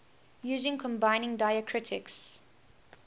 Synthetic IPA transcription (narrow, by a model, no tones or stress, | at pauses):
juːzɪ̃ŋkʰɔ̃mbaɪnɪ̃ŋdaɪəkʰɹɪtʰɪks